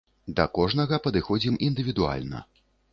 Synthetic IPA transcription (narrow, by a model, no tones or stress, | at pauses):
d̪ɐkɔʐnɐɣɐpɐd̪ɨxɔd͡zʲimind̪ɨvʲid̪ua̰lʲnɐ̰